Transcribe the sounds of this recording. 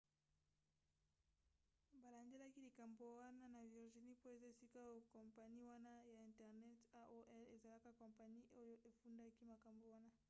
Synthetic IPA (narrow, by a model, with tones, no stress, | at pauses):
ba˨la˨nde˦la˦ki˦li˨ka˨mbo˨wa˦na˦na˨vi˨ʁʒi˨ni˦po˦e˨za˦e˨si˦ka˦kɔ˨mpa˨ni˦wa˦na˦ja˨ɛ̃˨ntɛ˨ʁnɛ˦ta˦ʔo˦ʔɛ˦le˨za˨la˦ka˦kɔ̃˨mpa˨ni˦ʔo˦jo˦ʔe˨fu˦nda˦ki˦ma˨ka˨mbo˨wa˦na˦